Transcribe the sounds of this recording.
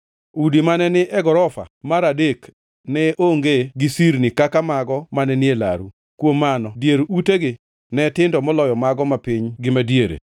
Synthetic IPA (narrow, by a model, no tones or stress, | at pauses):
udimanɛnɪʔɛɡɔɾɔfa̰maɾadek | nɛʔoŋɡeɡɪsiɾnɪkakamaɡɔmanɛnɪela̰ɾu | kwomːanɔdjeɾuteɡɪ | nɛtɪndɔmɔlɔjɔmaɡɔmapɪɲɡɪmadjeɾḛ